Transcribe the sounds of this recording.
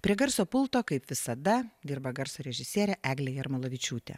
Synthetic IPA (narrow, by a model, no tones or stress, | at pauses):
pʲɾʲiɛɡɐɾsoːpʊlˠt̪oːkɐɪpʋʲɪsɐd̪ɐd̪ʲiːɾbɐɡɐɾsoːɾʲɛʒʲɪsʲiɛɾʲɛʔæːɡlʲɛjɪrmɐlˠɐʋʲɪt͡ʃʲuːt̪ʲḛ